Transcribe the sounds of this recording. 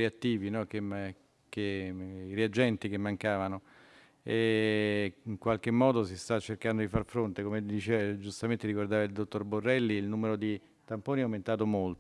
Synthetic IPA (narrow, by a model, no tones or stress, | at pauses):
eat̪ːiːvinɔk̟em | keiɾead͡ʒɛnt̪ik̟emːaŋkaːvano | ɛ | iŋkwalk̟emːɔːd̪osist̪at͡ʃːerkand̪od̪ifarfɾont̪ekomed̪it͡ʃeːvad͡ʒust̪ament̪eɾikord̪aːvaild̪ot̪ːorborːɛlːiːlnuːmeɾod̪i | t̪ampoːniɛawment̪aːt̪̬omolt̪